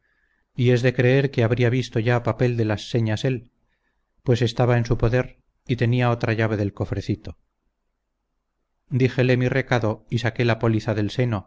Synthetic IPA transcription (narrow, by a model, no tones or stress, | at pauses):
ie̞zðe̞kɾe̞eɾkeaβɾiaβist̪o̞ʝapape̞ld̪e̞lasːe̞ɲase̞l | pwe̞se̞st̪aβae̞nsupo̞ðe̞ɾ | it̪e̞niao̞t̪ɾaʝaβ̞e̞ðelko̞fɾe̞θit̪o̞ | d̪iχe̞le̞mire̞kaðo̞isake̞lapo̞liθaðe̞lse̞no̞